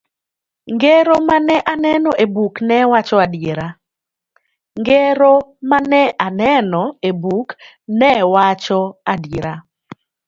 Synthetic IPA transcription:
ŋɡeɾomanɛʔanɛnɔʔebuknɛwat͡ʃɔadeɾa | ŋɡeɾomanɛʔanɛnɔebuk | nɛwat͡ʃɔadiɾa

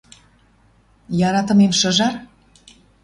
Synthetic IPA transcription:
jɑɾɑt̪ə̆memʃə̆ʒɑr

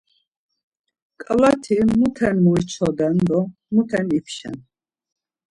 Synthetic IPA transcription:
kʼalat̪ʰimut̪ʰɛnmuit͡ʃʰɔd̪and̪ɔ | mut̪ʰɛnipʰʃɛ̰n

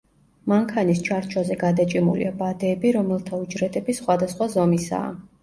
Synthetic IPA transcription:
maŋkʰanist͡ʃʰaɾt͡ʃʰwazɛɡad̪at͡ʃʼimṵlḭabad̪ɛːbiɾɔmɛlˠt̪ʰaud͡ʒɾɛt̪ʼɛbisχwad̪asχwazɔmisa̰ː

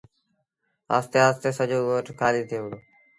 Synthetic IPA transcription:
a̰ːst̪eːaːst̪eːsəd͡ʒoːɡoːʈkʰaːliːt̪ʰeːʋəɽoː

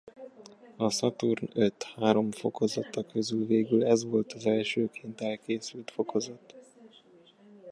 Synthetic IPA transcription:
ɒsɒt̪urnøt̪haːɾo̞ɱfo̞̰ko̞zɒt̪ːɒkø̞zylveːɡylɛzʋo̞lt̪ɒzɛlʃøːkʰeːnt̪ɛlkeːsylt̪fo̞kʰo̞zɒt̪

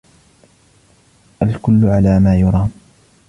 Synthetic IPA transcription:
ʔalkʊlːʊʕalaːmaːjʊɾˤɑː

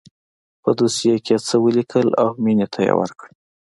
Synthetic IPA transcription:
pəd̪usijekʰet͡səwəlikʰəla̰wminet̪ʰajḛwə̰ɾkɽ

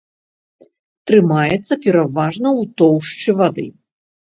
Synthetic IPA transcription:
t̪ɾɨmajɛt̪sːɐpʲɛɾavaʐnɐwt̪ɔwʂt͡ʂɨvad̪ɨ̰

